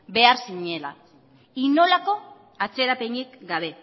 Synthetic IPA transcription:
be̞aɾsiɲe̞la̰ | ino̞lako̞ | at͡se̞ɾapeɲikɡaβ̞e̞

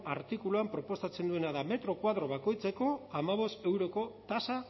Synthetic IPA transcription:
aɾt̪ikuluampɾo̞po̞st̪at͡se̞nd̪ue̞naðame̞t̪ɾo̞kwaðɾo̞βako̞jt͡se̞ko̞amaβ̞o̞st̪e̞wɾo̞ko̞t̪asa

